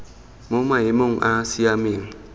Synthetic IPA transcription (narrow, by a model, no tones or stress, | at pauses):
mʊmajɪmʊŋʔasiamiŋ̩